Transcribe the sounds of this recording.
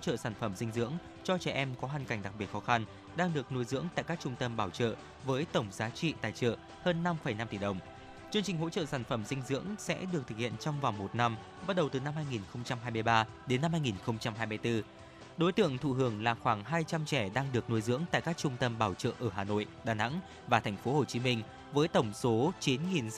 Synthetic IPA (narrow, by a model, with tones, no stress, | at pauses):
o˧˥t͡ɕə̰ː˧˨saː˧˩nfə˧˩msï˧ŋ̟zɨ̰˧˥əŋ | t͡ɕɔ˧t͡ɕɛ˧˩ʔɛ˧mkɔ˨˦ɦaː˨˩ŋka˨˩jŋ̟ɗa˨˩k̚ɓi˨˩t̚xɔ˨˦xa˧n | ɗaː˧ŋɗɨ˨˩ək̚no˨˧˦jzɨ̰˧˥əŋt̪a̰ː˧˨jkaː˦˥k̚t͡ɕʊ˧ŋ͡mt̪ə˧mɓaː˧˩wt͡ɕə̰ː˧˨ | vəː˨˦jt̪ə˧˩wŋ͡mzaː˨˦t͡ɕḭ˧˨t̪aː˨˩jt͡ɕə̰ː˧˨ | həː˧nːa˧mfə˨˩jna˧mt̪i˧˩ɗə˨˩wŋ͡m | t͡ɕɨ˧əŋt͡ɕï˨˩ŋ̟ɦo̰˧˥t͡ɕə̰ː˧˨saː˧˩nfə˧˩msï˧ŋ̟zɨ̰˧˥əŋsɛ̰˧˥ɗɨ˨˩ək̚t̪ɨ˨k̚hḭ˧˨ənt͡ɕɔ˧wŋ͡mva˨˩nmo˨˩t̚na˧m | ɓa˦˥t̚ɗə˨˩wt̪ɨ˨˩na˧mhaː˧jŋi˨˩nxə˧wŋ͡mt͡ɕa˧mɦaː˧jmɨ˧əjɓaː˧ | ɗe˨˦nːa˧mhaː˧jŋi˨˩nxə˧wŋ͡mt͡ɕa˧mɦaː˧jmɨ˧jt̪ɨ˧ | ɗo˨˦jt̪ɨ̰˧˨əŋt̪ʰṵ˧˨ɦɨ˨˧˩əŋlaː˨˩xwaː˧˩ŋɦaː˧jt͡ɕa˧mt͡ɕɛ˧˩ɗaː˧ŋɗɨ˨˩ək̚no˧jzɨ̰˧˥əŋt̪a̰ː˧˨kaː˦˥k̚t͡ɕʊ˧ŋ͡mt̪ə˧mɓaː˧˩wt͡ɕə̰ː˧˨ʔəː˧˩ɦaː˨˩no̰˧˨jɗaː˨˩na̰˧˥ŋ | vaː˨˩t̪ʰɛ˨˩jŋ̟fo˨˦ho˨˩t͡ɕi˨˦mï˧ŋ̟ | vəː˨˦jt̪ə˧˩wŋ͡mso˨˦t͡ɕi˨˦nŋi˨˩n